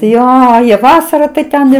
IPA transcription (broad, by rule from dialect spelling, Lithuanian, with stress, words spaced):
ˈjoː jiɛ ˈʋɑːsɐrɐ tɐɪ ˈtʲɛn ɪr